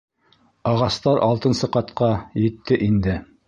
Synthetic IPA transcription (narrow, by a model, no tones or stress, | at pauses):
ɑʁɑst̪ɑɾʔɑlˠt̪ɤ̆nsɤqɑt̪qɑjɘ̆t̪ːɘʔind̪ɘ